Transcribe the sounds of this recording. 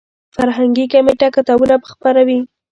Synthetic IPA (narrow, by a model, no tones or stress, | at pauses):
faɾɦaŋɡikameʈakat̪abunabəxpaɾawi